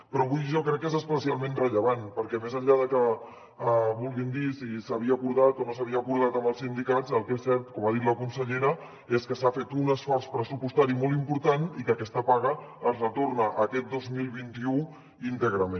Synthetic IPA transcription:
pɾɔβujʒɔkɾɛkːezəspəsialˠmẽnrəʎəβanpəɾkɛmezəʎʎaðəkə | əβulˠɣind̪isisəβ̞iəːkuɾðat̪onosəβiəkuɾð̞at̪əməlˠsind̪ikat͡səlˠkesɛɾt̪kɔmaðit̪ləkunsəʎeɾə | eskəsafet̪unəsfɔɾspɾəsupust̪aɾimɔlˠimpuɾt̪anikəkɛst̪əpaɣ̞əː | zrət̪ornəʔəkɛt̪̚d̪ozmilˠβint̪iu | int̪əɣɾəmẽn

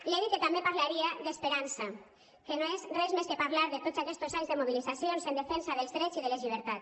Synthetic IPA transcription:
leβiket̪ambepaɾlaɾiaðespeɾansa | kenoezrezmeskepaɾlaɾðet̪otzakɛst̪ozaɲzðemoβ̞iliθasjonsend̪efensaðelzðɾet͡siðelezʎiβ̞eɾt̪at̪

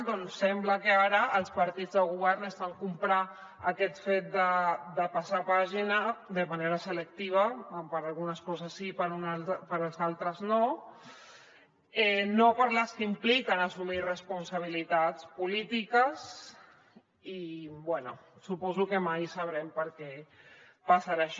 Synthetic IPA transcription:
d̪ɔnsːɛmbləkəaɾəːlˠspəɾt̪id͡zðəlɣ̞uβ̞ɛɾnəst̪aŋkumpɾa | əkɛt̪fet̪̚d̪əd̪əpasapaʒinəd̪əməneɾəsələk̚t̪iβ̞əmpəɾalˠɣunəskɔzəsːipəɾuapəɾəlˠzalˠt̪ɾəzno | ɛnopəɾləskəimplikənəsumirəspunsaβ̞ilit̪at͡spulit̪ikəs | ibwɛnṵsupɔzukəmajsəβɾɛmpəɾkɛ | pasaɾaʃ

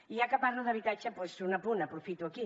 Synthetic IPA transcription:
ijakəpaɾluðəβit̪at͡ʃəpwesunɐpunəpɾufit̪uəki

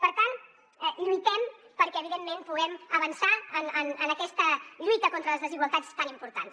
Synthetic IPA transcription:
pəɾt̪an | ɛʎujt̪ɛm | pəɾkɛəːβiðemːẽnpuɣɛməβənsaənənənəkɛst̪əʎujt̪əkont̪ɾələzðəziɣwəlˠt̪at͡st̪animpuɾt̪a̰ns

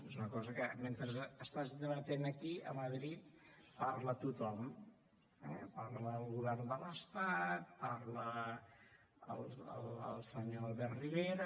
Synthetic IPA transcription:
ezunəkɔzəkəment̪ɾəzəst̪azd̪əβət̪enəkiə̰məðɾit̪̚paɾlət̪ut̪ɔm | ɛpaɾləːlˠɣuβɛrnd̪ələst̪at̪̚paɾlə | ə̰lˠə̰lə̰lˠsəɲoalβɛrriβeɾə

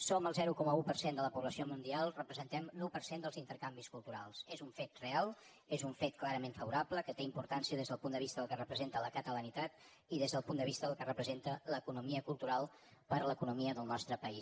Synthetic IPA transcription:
soməlˠzɛɾukɔməupərsend̪ələpuβləsiomund̪ialˠrəpɾəzənt̪ɛmnɔwpəɾsend̪əlˠzint̪əɾkambiskulˠt̪uɾalˠsezuɱfet̪realˠ | ezuɱfet̪̚klaɾəmeɱfəβuɾapləkət̪eimpuɾt̪ansiəðezðəlˠpund̪əβist̪əðəlˠkərəpɾəzent̪ələkət̪ələnit̪at̪ | iðezðəlˠpund̪əβist̪əðəlˠkərəpɾəzent̪ələkunumiəkulˠt̪uɾalˠ | pəɾləkunumiəðəlˠnɔst̪ɾəpəis

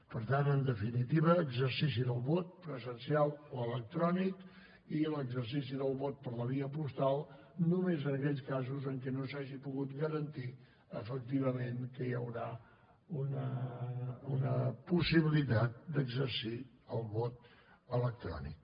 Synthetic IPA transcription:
pəɾt̪anənd̪əfinit̪iβəːɡzəɾsis̬iðəlˠβɔt̪̚pɾəzənsialˠoələk̚t̪ɾɔnik | iələɡzəɾsisiðəlˠβot̪̚pəɾləβiəpust̪alˠ | numezənəkɛʎskazuzəŋkɛnosaʒipuɣut̪ɡəɾənt̪i | əfək̚t̪iβəmeŋkəjəwɾa | unə | unəpusiβilit̪at̪̚d̪əɡzəɾsi | əlˠβot̪̚ | ələk̚t̪ɾɔ̰nḭk̚

